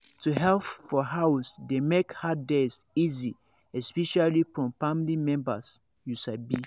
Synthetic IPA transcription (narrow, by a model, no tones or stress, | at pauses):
tuɦɛlpfɔɦawsdemekhadɛsizi | ɛspɛʃalifɹɔ̃mfamlimɛ̃mbas | jusabi